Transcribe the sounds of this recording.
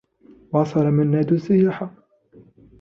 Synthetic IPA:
wɑsˤɑlamɪnːaːd̪ʊsɪjaːħa

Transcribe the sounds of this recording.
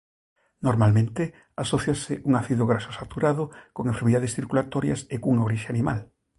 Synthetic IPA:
noɾmalmẽnt̪ɪ | asoθjasɪʔuŋaθiðoɣɾaʃosat̪uɾaðokoŋẽɱfeɾmiðaðesθiɾkulat̪oɾjɐ̰sekuŋaoɾiʃeanĩma̰l

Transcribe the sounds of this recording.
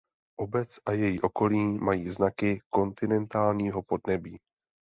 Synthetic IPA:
ʔobɛt͡sʔajɛjiʔoko̞liːmajiːznakɪko̞nt̪ɪnɛnt̪aːlɲiːɦo̞po̞dnɛbiː

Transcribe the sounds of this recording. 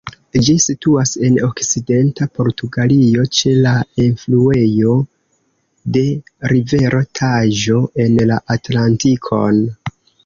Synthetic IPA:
d͡ʒisituase̞no̞kt͡side̞ntapo̞ɾtuɡalio̞t͡ʃe̞lainflue̞jo̞ | de̞ɾive̞ɾʔo̞tʰaʒo̞ʔe̞nlaʔatlantikʰo̞̰n

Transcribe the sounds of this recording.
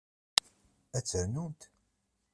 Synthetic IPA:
æt͡sːəɾnunt̪

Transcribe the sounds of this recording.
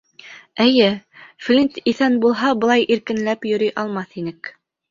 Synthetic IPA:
ɘ̆jɘflʲint̪iθænbulˠɦɑbɤ̆lˠɑjʔiɾkɘ̆nlæpjɵ̆ɾyjʔɑlˠmɑθinɘk

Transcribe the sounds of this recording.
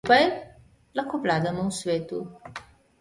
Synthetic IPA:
pɐj | lɐkoplad̪ɐmɐ̃w̃swɛt̪u

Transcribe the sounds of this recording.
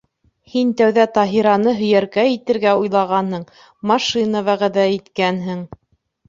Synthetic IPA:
hint̪æwðæt̪ɑɦiɾɑnɤɦɵ̆jæɾkæjit̪ɘ̆ɾɡæujlˠɑʁɑnhɤɴ | mɑʃinaβæʁæðæit̪kænɦɘŋ

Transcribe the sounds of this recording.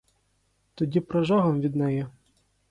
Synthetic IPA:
t̪ɔdʲipɾɐʒɑɦɔmʋʲid̪nɛjɛ

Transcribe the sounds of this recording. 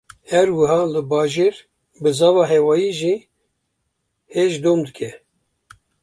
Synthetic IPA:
hɛɾwɨɦɑːlɨbɑːʒeːɾ | bɨzɑːvɑːɦɛwɑːjiːʒi | heʒd̪oːmd̪ɨkʰɛ

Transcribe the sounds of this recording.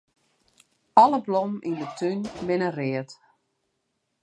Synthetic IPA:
ɑləblɔmʔindətʰynbɪnərɪət

